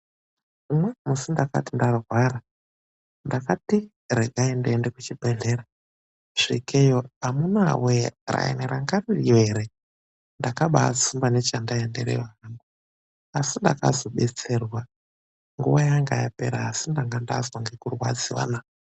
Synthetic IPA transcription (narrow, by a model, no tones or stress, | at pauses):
umwemusindaka̰tindarwaɾa | ndakati | reɡʱaendeendekut͡ʃibʱeɮeɾa | ʐ̥ikʰejoamunawera̰ḛneɾaŋɡaririeɾe | ndakaɓa̰t͡sumbane̞t͡ʃandaendḛɾḛwaambu | asindaka̰zo̞ɓe̞t͡se̞rwa | ŋɡuwajaŋɡaja̰pe̞̰ɾaːsindaŋɡandazoŋɡekurwa̰d͡ziwa̰ːna